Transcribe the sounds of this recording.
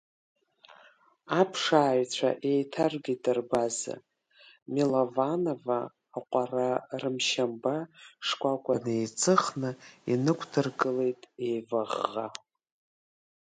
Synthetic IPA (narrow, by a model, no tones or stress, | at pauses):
apʰʂaːjt͡ɕʷʰa̰ʔe̞jtʰarɡʲitʼɨrbaza̰ | milovano̞vaː | qʷʼararɨmʃambaʂkʷʼakʷʼanejt͡sʼʰɨχnɨinɨkʷʰdʰɨrɡɨle̞jtʼejvaʁːa̰